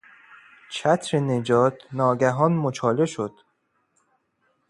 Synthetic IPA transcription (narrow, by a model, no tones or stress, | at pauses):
t͡ʃʰæt̪ʰɾened͡ʒɒːt̪ʰnɒːɡæɦɒːnmot͡ʃʰɒːleʃod̪̥